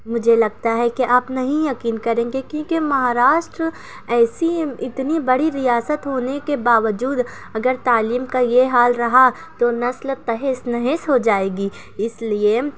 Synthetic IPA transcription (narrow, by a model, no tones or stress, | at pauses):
mʊd͡ʒʱelɐɡ̚t̪aɦɛkeʔaːpnɐɦĩjɐkiːnkɐɾẽːɡekjõːkemɐɦaːɾaːʃʈɾə | ɛːsiɪt̪nibɐɽiɾijaːsət̪ɦoːnekebaːʋəd͡ʒuːd̪ | ɐɡəɾt̪aːliːmkajeɦaːlɾɐɦa | t̪onɐslt̪ɐɦesnɐɦesɦod͡ʒaːeːɡiː | ɪslie